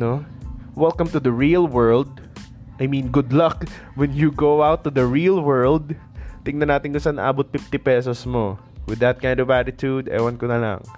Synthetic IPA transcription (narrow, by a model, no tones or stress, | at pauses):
nowɛlkɐ̃mt̪ʊd̪ɐɹilwɜɹld̪̚ | ʔɐjmĩnɡʊd̪lɐk | wɛnjuɡowawt̪ːʊd̪ɐɹilwɛɹld̪̚ | t̪ɪŋnɐnaːt̪ɪnɡʊnsanɐ̰ʔa̰ːbɔt̪̚fɪft̪ɪpɛsɔsmo | wɪd̪ːɐt̪̚kãjnd̪ɔvaɾɪt̪jud̪ʔɛ̰jwɐnkonɐla̰ŋ